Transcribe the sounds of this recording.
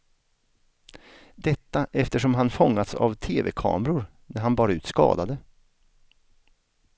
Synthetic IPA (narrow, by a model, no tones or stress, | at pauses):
d̪ɛt̪ːaʔɛft̪əʂɔmɦanfɔŋːat̪sa̰vt̪ʰeːvɛkʰɑ̰ːmɾʊɾ | næɾɦanbɑːɾaʉ̟ːt̪skɑ̰ːd̪ad̪ə